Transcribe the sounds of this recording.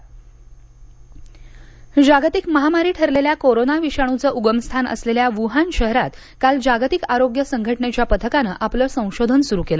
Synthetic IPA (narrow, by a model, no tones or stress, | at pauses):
d͡ʑaɡt̪ikməɦamaɾiːʈʰəɾleljakoɾonaʋiɕaɽ̃ut͡səːʔuɡəmst̪ʰanə̰sleljaʋuɦanɕəɦɾat̪ | kald͡ʑaɡt̪ikaɾoɡjəsəŋɡʱəʈɳet͡ɕjapət̪ʰəkanəːʔapləːsə̃w̃ɕod̪ʱənsuɾukelə